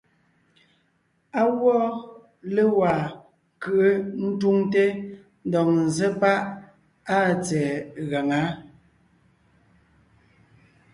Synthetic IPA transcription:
a˦wɔ˦ | le˦wa˨ | kɯ˨ʔə˦n̩˦tu˦ŋte˦ | n̩˦dɔ˨ŋn̩˨ze˦pa˦ʔ | a˦t͡sɛː˨ɣa˨ŋa˨˦

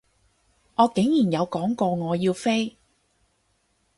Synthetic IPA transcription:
ŋɔː˨˧ke˨˥ŋjiː˨˩njɐ˨˧wkɔː˨˥ŋkɔː˧ŋɔː˨˧jiː˧wfe˥j

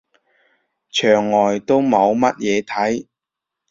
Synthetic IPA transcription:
t͡ʃʰœː˨˩ŋːɔː˨˩jt̪o˥wmɐ˨˧wmɐ˥t̚jɛː˨˧t̪ʰɐ˨˥j

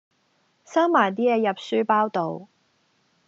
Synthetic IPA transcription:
saː˥mmaː˨˩jt̪iː˥jɛː˧jɐ˨p̚syː˥paː˥wt̪o˨w

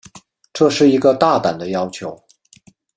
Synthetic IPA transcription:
ʈ͡ʂɤ˥˧ʂɻ̩˥˩i˧˥ɡə˧t̪a˥˩t̪a˨˩nd̪ə˦jɑ˥ʊt͡ɕʰjo˧˥ʊ

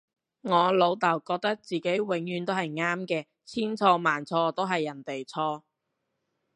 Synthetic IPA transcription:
ŋɔː˨˧lo˨˧wt̪ɐ˨˩wkɔː˧k̚t̪ɐ˥k̚t͡siː˨ke˨˥jwɪ˨˥ŋjyː˨˧nt̪o˥whɐ˨˩jŋaː˥mkɛː˧ | t͡sʰiː˥nt͡sʰɔː˧maː˨˩nt͡sʰɔː˧t̪o˥wɦɐ˨jːɐ˨˩nt̪e˨jt͡sʰɔː˧

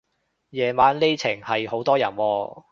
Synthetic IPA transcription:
jɛː˨maː˨˥nle˥t͡sʰɪ˨˩ŋhɐ˨jho˨˥wt̪ɔː˥jɐ˨˩nwɔː˧

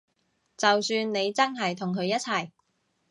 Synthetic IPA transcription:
t͡sɐ˨wsyː˧nːe˨˧jt͡sɐ˥nɦɐ˨˩jt̪ʰʊ˨˩ŋkʰɵ˨˧ɥjɐ˥t̚t͡sʰɐ˨˩j

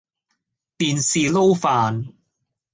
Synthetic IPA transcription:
t̪iː˨nsiː˨lo˥wfaː˨n

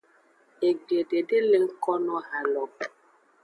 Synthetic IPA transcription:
e˨ɡ͡be˨de˨de˦lɪ˦ŋ̩˦kɔ˦nɔ˦ha˨lɔ˨p

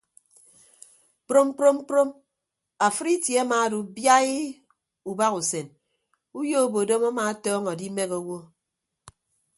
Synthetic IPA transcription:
k͡pɾo˦m˦k͡pɾo˦m˦k͡pɾo˦m | a˨fɨ˦ɾi˦tje˨a˦maː˨˦du˨bja˦i˦ | u˨ba˦ku˨se˨n | u˦jo˦o˦˨bo˨do˦ma˦maː˨˦tɔː˦ŋɔ˨di˦me˦ko˨wo˦

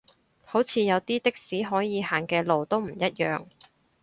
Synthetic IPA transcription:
ho˨˥wt͡sʰiː˨˧jɐ˨˧wt̪iː˥t̪ɪ˥k̚siː˨˥ɦɔː˨˥jiː˨˧ɦaː˨˩ŋkɛː˧lo˨wt̪o˥wm̩˨˩jɐ˥t̚jœ̰ː˨ŋ

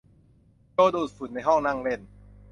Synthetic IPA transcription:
joː˧d̪uː˧˨˩fu˨˩˦nːa˧jɦɔ˥˩ŋna˥˩˨ŋle˥˩n

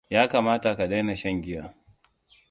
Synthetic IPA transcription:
jaː˦kaː˨maː˦ta˨ka˨da˦na˨ʃɐ˦˨ŋɡʲɪ˦jaː˦

